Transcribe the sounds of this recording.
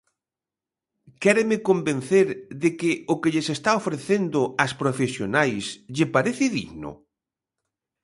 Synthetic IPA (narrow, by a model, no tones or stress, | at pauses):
kɛɾemɪkombẽn̟θeɾðɪkɪʊkɪʎɪsest̪aofɾeθend̪ʊaspɾofesjonajsʎɪpaɾeθɪðḭɣnʊ̰